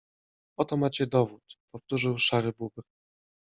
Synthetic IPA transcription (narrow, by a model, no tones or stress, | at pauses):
ɔt̪ɔmat͡ɕɛd̪ɔvut̪pɔft̪uʐɘwʂaɾɘbubɘk